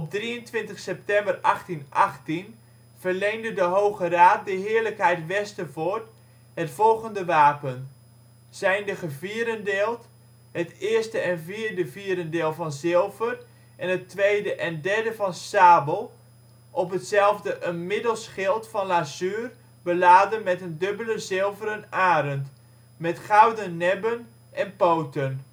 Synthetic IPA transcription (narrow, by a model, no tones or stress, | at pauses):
ɔb̚driəntʋɪntəχsɛp̚tɛmbərɑχtinʔɑχtin | v̥ərlejŋdədəɦowχəraːt̚dəɦɪːɹləkɦɛjtʋɛstəvoːɹt | hətfɔlˠχəndəʋaːpən | sɛjndəχəviːɾəndɪːlˠt | ɦətɪːɹstəɛnviːɹdəviːɾəndeːlˠvɑnzɪlˠvər | ʔɛnətʋejdəʔɛndɛɹdəvɑnsaːbəlˠ | ʔɔpɦətsɛlˠvdəʔənmɪdəlˠsχɪlˠtfɑnlazyːr | bəlaːdənmɛtəndɵbələzɪlˠvəɾənaːɾənt | mɛtχawdənːɛbən | ʔɛnpowtən